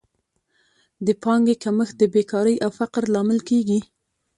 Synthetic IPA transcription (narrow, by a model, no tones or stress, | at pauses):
d̪əpɑŋɡekaməx̚d̪əbekɑɾəjʔawfaqɾlɑmɪlkeɡi